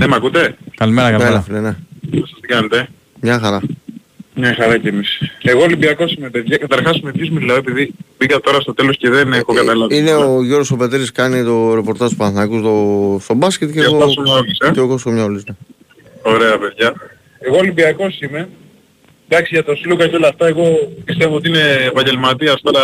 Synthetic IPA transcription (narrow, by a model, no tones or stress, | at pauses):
nemɐkut̪e̞kɐlimeɾɐkɐllɐfineneesɐst̪ikɐnet̪e̞ | mɲɐxɐɾɐ | mɲɐxɐɾɐcemiseɣolibiɐko̞simepe̞ðʝɐkɐt̪ɐɾxɐsumepçozmileoepiðibikɐt̪o̞ɾɐst̪ot̪e̞lo̞sceðenexokɐt̪ɐlɐvine̞oʝoɾɣosope̞t̪eɾiskɐnit̪o̞ɾe̞po̞ɾt̪ɐzt̪u̥pɐnθnɐkust̪o̞st̪o̞bɐscet̪ceɣoɐssomɲɐolisɐceokosxomɲɐolisne | o̞ɾeɐpe̞ðʝɐ | eɣoːlibiɐko̞sime̞ | d̪ɐksiʝɐt̪osilokɐceo̞lɐft̪ɐeɣo̞pist̪evoot̪iine̞ːpɐɲɟe̞lmɐt̪iɐst̪ɐ